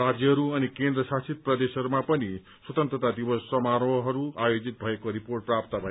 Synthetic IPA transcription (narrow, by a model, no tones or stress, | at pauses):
ad͡zjʌɦʌɾuʌnikend̪rʌsat͡sʰit̪̚prʌd̪esɦʌɾumapʌni | swʌt̪ʌnt̪ɾʌt̪ad̪ibʌsːʌmaɾʌɦʌɾuajod͡zit̪̚bʱʌekoɾiporʈ̚prapt̪abʱʌe